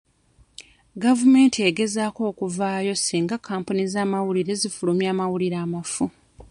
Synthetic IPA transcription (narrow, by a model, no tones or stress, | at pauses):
ɡavume̞ːntie̞ɡe̞zaːko̞ːkuvaːjo̞siːŋɡakʰaːmpunizaːmawuliɾe̞zifulumjaːmawuliɾaːmafu